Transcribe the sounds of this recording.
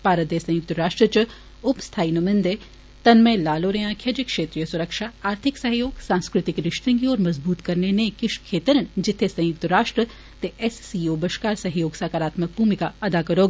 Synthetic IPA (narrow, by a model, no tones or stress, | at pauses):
paːɾət̪esɐ̃jʊk̚t̪əɾaːʃʈɾət͡ʃɐ | ʊpst̪ʰaːinumɪ̃nd̪e | t̪ɐnmẽlaːloːɾejãːkʰjɐd͡ʒekʃeːt̪ɾijəsʊɾɐkʃaaːɾt̪ʰɪksɐɦjoːɡsãːnskɾɪt̪ɪkɾɪʃt̪ɐ̃ŋɡiɔːɾmɐzbuːt̪kɐɾnenekɪʃkʰːeːt̪əɾənd͡ʒɪt̪ʰːesɐ̃jʊk̚t̪ɐɾaːʃʈɾə | t̪eʔɛssioːbɐʃkaːɾsɐɦjoːɡsaːkaɾaːt̪mək̚bʱuːmɪkaɐd̪akɐɾoːɡ